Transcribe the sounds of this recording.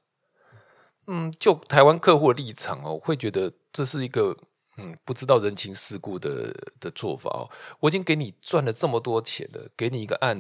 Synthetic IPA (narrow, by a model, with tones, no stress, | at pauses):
n̩˥˩t͡ɕjo˥˩ʊt̪ʰa˨˦ɪwa˦nkʰɤ˥˧xu˥˧li˥˩ʈ͡ʂʰɑ̰˨˩˦ŋɐ̰˨xwe˥˩ɪt͡ɕɥɛ˧˥d̪ə˧ʈ͡ʂɤ˥˧ʂɻ̩˥˩i˧˥ɡə˧ | n̩˥˩pu˥˩ʈ͡ʂɻ̩˥t̪ɑ˥˩ʊɻə˧˦˥nt͡ɕʰi˧˥ŋʂɻ̩˥˧ku˥˩d̪ə̰˩d̪̥ə˨t͡swɔ˥˩fa̰˨˩˦ɔ̰˩wɔ˨˩i˨˩t͡ɕi˦ŋke˧˥ɪni˨˩t͡swa˥˩nlə˩t͡sə˥˩mə˩t̪wɔ˥t͡ɕʰjɛ̰˨˩˦nd̪ə̰˦ke˧˥ɪni˨˩i˧˥ɡə̰˧ʔa˥˩n